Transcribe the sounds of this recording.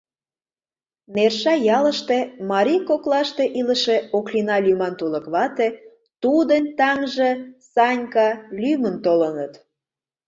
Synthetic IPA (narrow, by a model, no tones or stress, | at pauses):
nerʃɑjɑləʃt̪e̽mɑɾʲijkoklɑʃt̪eʔiləʃeoklinɑlʲymɑnt̪ulə̆kβɑt̪e | t̪ud̪ənʲt̪ɑŋʒesɑnʲkɑlʲymənt̪olənət̪